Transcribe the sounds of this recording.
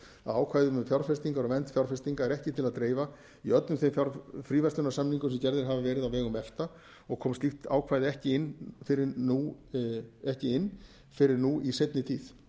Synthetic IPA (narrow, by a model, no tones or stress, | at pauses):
aðaːwkʰvaːjðʏmʏmfjawɾ̥fɛst̪iŋkaɾɔɣvɛnt̪fjawɾ̥fɛst̪iŋkaɛɾɛhcɪt̪ʰɪlaðt̪ɾeːjva | iœt̪lʏmθejmfjaɾfɾiːvɛst̪ʏnasamniŋkʏmsɛmcɛɾðɪɾ̥ɦavavɛːɾɪðawvɛːɣʏmɛft̪a | ɔɣkʰɔːmst̪ixt̪a̰ːwkʰvaːjðɪɛhcɪɪnfɪɾɪnu | ɛhcɪɪnː | fɪɾɪɾnuisejt̪nɪt̪ʰiːθ